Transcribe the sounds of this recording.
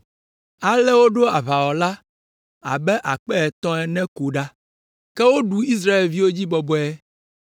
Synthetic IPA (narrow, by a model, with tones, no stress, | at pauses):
a˨lɛ˦wo˦ɖo˦a˨βa˨wɔ˨la˦ | a̰˨bɛ˦ʔa˨k͡pɛ˦ɛ˨t̪ɔ̃˦ɛ˨nɛ̃˦ku˨ɖa˦ | kɛ˦wo˦ɖu˦i˦s̬ɾa˦e˨lvi˦wo˦d͡ʑi˦bɔ˨bɔ˦ɛ˦